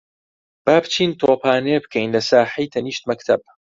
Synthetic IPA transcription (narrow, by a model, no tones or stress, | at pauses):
b̥aːbt͡ʃʰiːnt̪ʰoːpʰaːnebɨkʰejnlɐsaːħijt̪ʰɐniːʃt̪mɐkt̪ʰɐb̚